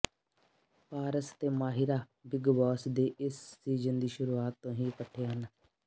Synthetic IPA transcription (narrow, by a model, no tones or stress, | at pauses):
paːɾəst̪eːmaːɦɪɾaː | bɪɡʋɔːsd̪eːʔɪsːiːzənd̪iːʃʊɾuːaːt̪ːõːɦĩːpəʈʰːeːɦən